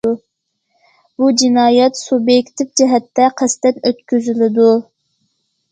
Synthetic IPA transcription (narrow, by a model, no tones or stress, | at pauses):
b̥ud͡ʒinɑːjɛt̪subjɛkʲt̪ʰɪvd͡ʒɛɦɛt̪ːɛqʰæst̪ɛnøt̪̚kʲyzylɪd̪u